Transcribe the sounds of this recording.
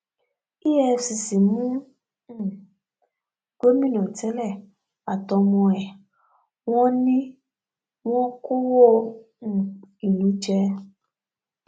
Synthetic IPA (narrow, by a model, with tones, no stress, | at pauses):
i˦je˦si˨si˨mũ˦˨ | ɡ̥o˦mi˦no˨te˦lɛ˦˨ | a˨tɔ˧m˦ɔ˦ɛ˨ | ŋɔ˦ni˦ | ŋʷɔ˦kʊ˦wo˦ | ŋ̩˨i˨nũ˨˦t͡ʃe˦